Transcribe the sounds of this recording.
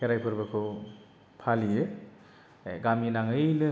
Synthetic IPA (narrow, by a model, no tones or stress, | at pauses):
eɾajpʰɯɾbɐkʰɯw | pʰalijɯ | ɡaminaŋɯnɯ